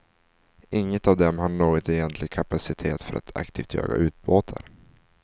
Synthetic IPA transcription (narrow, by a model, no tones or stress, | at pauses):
ʔɪŋːət̪avd̪ɛmhanoːɡɔt̪ɛjɛnt̪lɪɡkʰapasɪt̪ʰeːt̪fœɾʔa̰t̪ʰa̰kt̪ʰiːft̪jø̰ːɡa̰ʔʉ̟ːt̪̚boːt̪ʰa̰ɾ